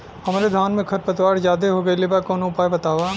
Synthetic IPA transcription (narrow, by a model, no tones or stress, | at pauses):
hɐmaːɾed̪ʱaːnmẽkʰɐɾpət̪ʋaːɾzaːd̪eɦoɡɐelebakɔːnõʊpaːjbɐt̪aːʋa